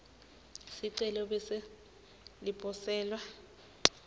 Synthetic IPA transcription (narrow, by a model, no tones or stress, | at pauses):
siǀɛlɔbɛsɛ | lipʼɔsɛːlwa